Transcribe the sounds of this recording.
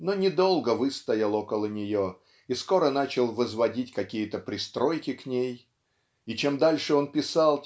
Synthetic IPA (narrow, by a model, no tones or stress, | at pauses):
no̞nʲɪd̪o̞lˠɡəvɨst̪ɐjɪlˠo̞kəlˠənʲɪjo̞ | isko̞ɾən̪at͡ɕɪlˠvəzvɐdʲitʲkɐkʲijət̪əpɾʲɪst̪ɾo̞jkʲɪknʲej | it͡ɕe̞md̪alʲʂɨo̞npʲɪsalˠ